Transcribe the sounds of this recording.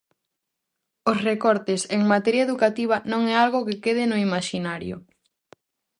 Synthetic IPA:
osrekɔɾt̪eseŋmat̪ɛɾjɐeðukat̪iβ̞anõŋɛalɣokɪkeð̞ɪnʊimaʃinaɾjo̰

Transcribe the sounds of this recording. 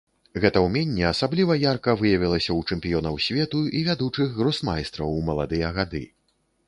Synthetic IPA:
ɣɛt̪ɐwmʲɛnʲːɛasablʲivɐjarkɐvɨjɐvʲilˠɐsʲɐwt͡ʂɛmʲpʲijɔnɐwsʲvʲɛt̪uivʲad̪ut͡ʂɨɣɣɾɔsmajst̪ɾɐwmɐlˠa̰d̪ɨjɐɣad̪ɨ̰

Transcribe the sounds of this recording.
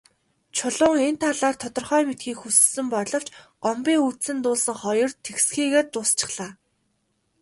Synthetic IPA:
t͡ɕʰʊɮʊːŋen̥t̪ʰaɮaːrt̪ʰɔt̪ɞ̆rχœːmet̪xiːkxussɘ̆mpɔɮɞ̆w̥t͡ɕɢ̥ɔmpiːŋut̪sɘ̆nt̪ʊːɮsə̆ŋχɔjɞ̆rt̪ʰeksxiːɣeːrt̪ʊːst͡ɕɪ̆χɮaː

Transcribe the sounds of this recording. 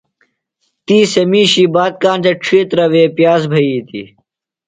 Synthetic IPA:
t̪iːsemiːɕiːbaːt̪̚kaːnd͡ʑɐʈ͡ʂʰiːt̪ɾɐʋeːpjaːzbʱɐiːt̪ḭ

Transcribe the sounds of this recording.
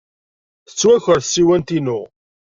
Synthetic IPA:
θə̥t͡sːwæçəɾθəsːiwænt̪inʊ

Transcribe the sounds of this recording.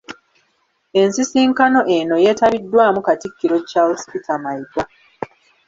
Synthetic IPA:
e̞nsisiːŋkanoʔeno̞je̞ːtaβidːwaːmukatikːiɾo̞cːaospitʰamaika

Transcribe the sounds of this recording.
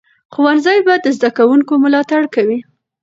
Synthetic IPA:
xʊwanzɑjbad̪əzd̪akawuŋkomʊlɑt̪aɽkawi

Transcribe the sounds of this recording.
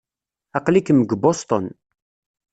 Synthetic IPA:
ɑqlikəməɡbost̪ˤon

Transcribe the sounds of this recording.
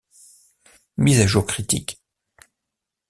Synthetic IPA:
mizaʒuʁkχit̪ḭk

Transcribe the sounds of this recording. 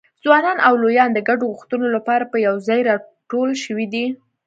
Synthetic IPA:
z̥wɑnɑnʔawlojɑnd̪əɡaɖoɣuxt̪ənolapɑɾapəjawzɑjɾɑʈolʃəwid̪i

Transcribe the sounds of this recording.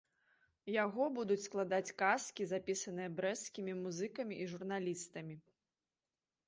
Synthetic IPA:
jaɣɔbud̪ut͡sʲsklˠad̪at͡sʲkaskʲizapʲisɐnɨjɐbɾɛskʲimʲimuzɨkɐmʲiʔiʐurn̪alʲist̪ɐmʲi

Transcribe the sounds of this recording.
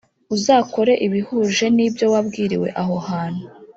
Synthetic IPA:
uzaːko̞ɾe̞ʔiβihuːʒe̞nibjo̞wabɡiːɾḭwe̞̰ʔaɦo̞haːn̥hu

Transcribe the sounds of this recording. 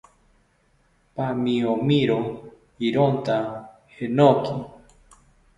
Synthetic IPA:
pamiomiɾo | iɾont̪a | henoki

